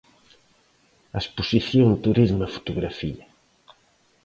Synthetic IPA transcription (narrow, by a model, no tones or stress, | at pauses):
ɐespusiθjoŋt̪uɾizmefu̥t̪uɣɾafia